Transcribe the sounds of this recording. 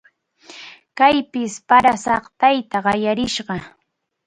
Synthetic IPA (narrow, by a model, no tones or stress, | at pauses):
kajpɪspaɾasɑχt̪ajt̪aɢɑjaɾɪʃɢɑ